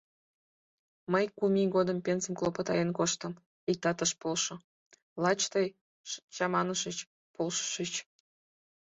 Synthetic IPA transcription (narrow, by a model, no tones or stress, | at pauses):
məjkumʲiɡod̪əmpʲenzə̆mklˠopət̪ɑjenkoʃt̪əm | ik̚t̪ɑt̪əʃpolʃŏ | lˠɑt͡ɕt̪əj | t͡ɕɑmɑnəʃət͡ɕ | polʃə̥ʃət͡ɕ